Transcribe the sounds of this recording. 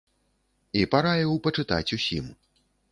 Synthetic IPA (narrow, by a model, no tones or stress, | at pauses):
ipaɾajɛwpɐt͡ʂɨt̪a̰t͡sʲusʲḭm